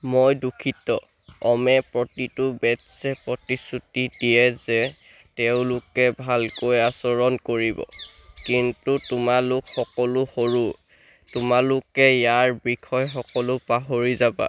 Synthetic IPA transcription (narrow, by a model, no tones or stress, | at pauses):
mojdukʰitɔ̰ | ɔmɛpɹɔtitʊbɛtsɛpɹɔtisutidijɛzɛ | teʊ̃lʊkɛbʱalkojasɔɹɔnkoɹibɔ̰kintutʊmalʊkxɔkɔlʊxoɹu | tʊmalʊkɛjaɹbikʰɔjxɔkɔlʊpaɦoɹizaba̰